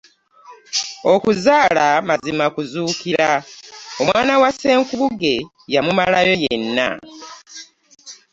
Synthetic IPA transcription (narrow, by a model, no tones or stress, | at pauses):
o̞kuzaːlamazimakuzuːkiɾaomwaːnawase̞ːŋkuβuɡe̞ | jamumalajo̞jenːa̰